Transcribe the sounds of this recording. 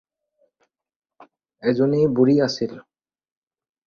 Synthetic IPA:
ɛd͡ʑonejbuɾiasʰil

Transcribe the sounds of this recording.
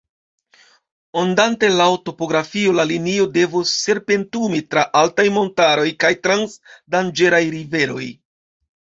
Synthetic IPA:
ondante̞laoto̞po̞ɡɾafio̞lalinio̞de̞vusːe̞ɾpe̞ntumitɾaʔaltajmo̞ntaɾo̞jkajtɾansdand͡ʒe̞ɾajɾive̞ɾo̞̰j

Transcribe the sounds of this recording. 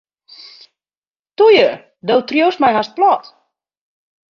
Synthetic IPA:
tujə | dowtrjowsmajɦast̚plɔt

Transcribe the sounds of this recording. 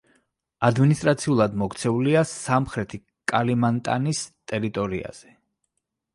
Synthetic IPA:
ad̪minist̪ʼɾat̪sʰiulˠad̪mɔkt̪sʰɛuliasamχɾɛt̪ʰi | kʼalimant̪ʼa̰nist̪ʼɛɾit̪ʼɔɾia̰z̥ɛ

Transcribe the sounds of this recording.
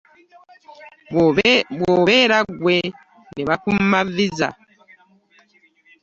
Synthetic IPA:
bwoβeɾaɡwe | neβakum̩maviza̰

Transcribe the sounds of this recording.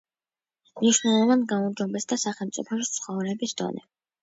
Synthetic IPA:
mniʃwnɛlˠɔvanɡamɔmd͡ʒɔbɛsd̪asaχɛlˠmt̪sʼḭpʰɔʃit̪sʰχɔvɾɛbisd̪̥ɔ̰nɛ

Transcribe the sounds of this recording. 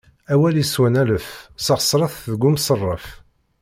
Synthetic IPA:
æwæliswænæləfsɑʁəsˤːɾˤɑθðəɡumsərˤːəf

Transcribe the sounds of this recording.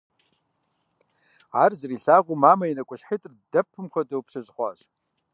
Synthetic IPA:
aːrzriɬaːʁʷumaːmainɐkʷʼʊɕħitʼrdɐpʰːɨmkʷadɐwpʰsʰazχʷa̰ɕ

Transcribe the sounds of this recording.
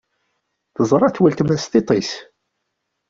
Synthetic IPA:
θəzˤɾˤɑθwælt̪mæst̪it̪ˤis

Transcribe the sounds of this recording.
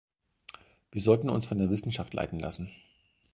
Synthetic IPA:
v̥iːɐzɔltn̩ʊ̰nsfɔndeːɐvɪsn̩ʃaftla̰ɪtn̩la̰sn̩

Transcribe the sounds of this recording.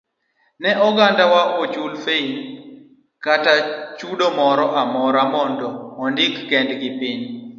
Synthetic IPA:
nɛʔɔɡandawaʔot͡ʃulfein | katat͡ʃudomɔɾɔʔamɔɾamɔndɔɔndɪkːɛndɡɪpɪɲ

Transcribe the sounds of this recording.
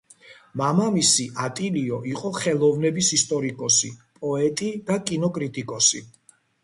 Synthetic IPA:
mamamisiʔat̪ʼiliɔʔiqʼɔχɛlˠɔvnɛbisist̪ʼɔɾikʼɔsḭpʼɔɛt̪ʼid̪akʼinɔkʼɾit̪ʼikʼɔsḭ

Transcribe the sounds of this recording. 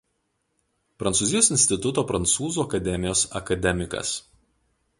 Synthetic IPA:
pɾɐnt̪suːzʲɪjoːsɪnʲsʲt̪ʲɪt̪ʊt̪oːpɾɐnt̪suːzuːɐkɐd̪ʲɛmʲɪjoːsɐkɐd̪ʲɛmʲɪkɐ̰s

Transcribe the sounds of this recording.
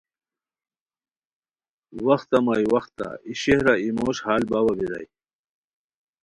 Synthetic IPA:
wɐxt̪ɐmajwɐxt̪a̰iɕehɾaimoːɕhaːlbawɐbiɾɐ̰j

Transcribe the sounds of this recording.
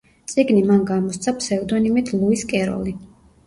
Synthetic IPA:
t̪sʼiɡnimanɡamɔst̪sʰapʰsɛud̪ɔnimit̪ʰlˠuiskʼɛɾɔ̰li

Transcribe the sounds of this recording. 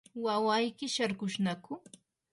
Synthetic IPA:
wawajkɪʃaɾkʊʃnakʊ

